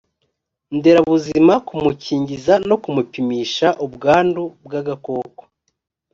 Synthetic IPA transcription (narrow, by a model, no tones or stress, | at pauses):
nde̞ɾaβuzimakumuciːɲɟizano̞kumupimiːʃaʔubɡaːndubɡaɡako̞ːkwo̥